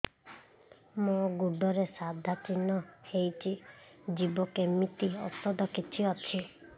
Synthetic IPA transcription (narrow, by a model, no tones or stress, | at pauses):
moɡuɖɔɾesad̪ʱat͡ʃinɔhejt͡ʃʰid͡ʒibɔkemit̪iɔtɔd̪ɔkit͡ʃʰiɔt͡ʃʰi